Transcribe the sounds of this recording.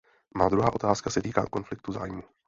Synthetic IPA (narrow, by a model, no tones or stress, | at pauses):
maːd̪ɾuɦaːʔo̞t̪aːskasɛt̪iːka̰ːko̞nflɪk̚t̪uza̰ːjmu